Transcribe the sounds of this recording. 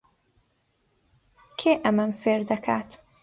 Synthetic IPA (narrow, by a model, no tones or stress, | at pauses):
kʰeːʔɛmɛɱfeːrd̪ɛkʰaːt̪